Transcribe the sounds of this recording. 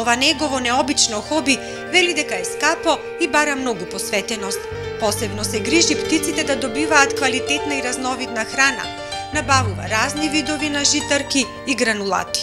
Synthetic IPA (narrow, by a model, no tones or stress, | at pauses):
ɔvanɛɡɔvɔnɛɔbit͡ʃnɔxɔbi | vɛlid̪ɛkaɛskapɔ | ibaɾamnɔɡupɔsvɛt̪ɛnɔst̪̚ | pɔsɛbnɔsɛɡɾiʒipt̪it̪sit̪ɛd̪ad̪ɔbivaːt̪kvalit̪ɛt̪naiɾaznɔvit̪naxɾana̰ | nabavuva̰ɾaznivid̪ɔvinaʒit̪aɾkiː | ɡɾanulˠa̰t̪i̥